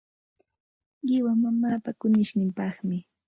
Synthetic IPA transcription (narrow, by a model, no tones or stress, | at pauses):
ɢɪwamamaːpakʊnɪʃnɪmpɑχmɪ